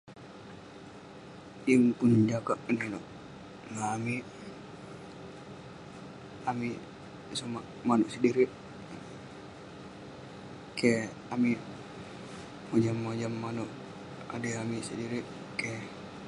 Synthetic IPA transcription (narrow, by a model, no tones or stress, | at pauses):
jiŋkund͡ʒakaʔnɛnɔʔ | ŋaːmi | ami | suma | manuʔsidiɾiʔ | kɛ | ami | mɔd͡ʒamːɔd͡ʒamːanɔʔ | a̰diamisidiɾiʔ | kɛ